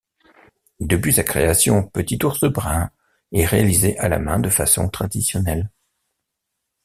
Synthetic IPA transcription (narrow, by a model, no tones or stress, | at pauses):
d̪əp̬ɥisakχeasjɔ̃pət̪it̪uʁsəbʁɛ̃ | ɛʁealizeʔala̰mɛ̃d̪əfasɔ̰̃t̪χad̪isjɔnɛl